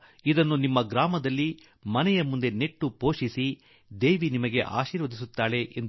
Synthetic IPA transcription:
id̪ɐnːunimːɐɡɾaːmɐd̪ɐlːi | mɐnɛjɐmund̪e̞ne̞ʈːupo̞ːʂisi | d̪e̞ːʋinimɐɡe̞ʔa̰ːʃiːɾʋɐd̪is̬ut̪ːaːɭe̞ʔend

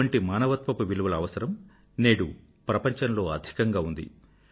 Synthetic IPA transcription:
ɐɳʈimaːnɐʋɐt̪mɐpuʋiluʋɐlɐːʋɐsɐɾɐm | neːɽṵ | pɾɐpɐɲt͡ʃɐnlo̞ːɐd̪ʱi̥kɐŋɡaːund̪ḭ

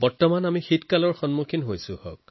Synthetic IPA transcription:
bɔɹtɔmanamixitkalɔɹxɔnmukʰinɦojsʊ̃hɔ̰k̚

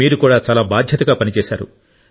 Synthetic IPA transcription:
iːɾukuːɽaːt͡ʃaːlaːbaːd̪ʱjɐt̪ɐɡaːpɐnit͡ʃɛːsa̰ːɾṵ

